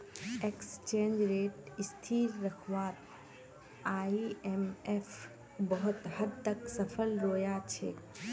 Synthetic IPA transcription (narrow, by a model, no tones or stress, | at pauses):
ekst͡ʃẽːnd͡ʒɾeːʈɪst̪ʰiːɾːəkʰʋaːɾ | aːiemef | bəɦʊt̪həd̪̚t̪əksəpʰəlɾoːjat͡ʃʰḛː